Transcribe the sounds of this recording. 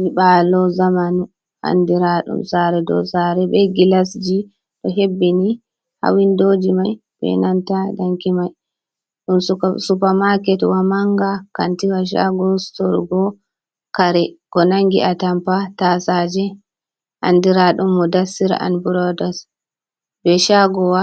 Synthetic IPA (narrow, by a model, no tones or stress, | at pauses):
niɓalɔzamanu | ʔa̰ndiɾaɗṵmsaɾɛdɔ̰saɾɛbɛɡilasd͡ʒi | ɗɔɦebːɛni | ha̰windod͡ʒimaj | bɛ̰nantadaŋkimaj | ɗumsusupamakɛtwamaŋɡakantiwaʃ̬a̰ɡɔstɔɾɡɔ | kaɾɛɡ̥ɔnaŋɡiʔatampatasad͡ʒɛ | ʔa̰ndiɾaɗumːudasiɾ̰ʔa̰nbuɾɔdas | bɛʃaɡɔwa